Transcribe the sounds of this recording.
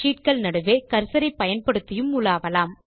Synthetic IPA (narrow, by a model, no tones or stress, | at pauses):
iːʈ̚kɐɭnɐɽɯʋeːkɐɾsɐɾɐɪpːɐjɐnpɐɽɯt̪ːɪjɯmʊlaːʋɐlaːm